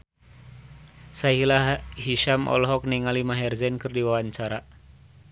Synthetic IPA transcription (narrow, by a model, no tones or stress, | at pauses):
saɦilahiʃamʔɔ̰lɦɔk̚niŋalimaɦɛrzɛnkɨrdiwawaɲt͡ʃaɾa